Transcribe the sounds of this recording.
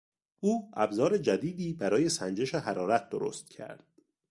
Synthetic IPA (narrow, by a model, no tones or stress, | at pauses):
ʔuːæbzɒːɾe̞d͡ʒæd̪iːd̪iːbæɾɒːje̞sænd͡ʒe̞ʃeɦæɾɒːɾæt̪̚ʰd̪oɾo̰st̪̚cʰæ̰ɾd̪̥